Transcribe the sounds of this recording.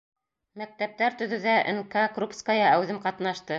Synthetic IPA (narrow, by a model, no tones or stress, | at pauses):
mæk̚t̪æp̚t̪æɾt̪ɵ̆ðʉ̆ðæʔɘ̰ŋkɑkrupskajɑæwðɘmqɑt̪nɑʃt̪ɤ